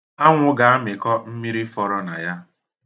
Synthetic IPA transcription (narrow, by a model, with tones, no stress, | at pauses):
a˦ŋʷʊ˦ɡa˨a˦mɪ˨kɔ˦m̩˦mi˦ɾi˦fɔ˦ɾɔ˦na˨ja˦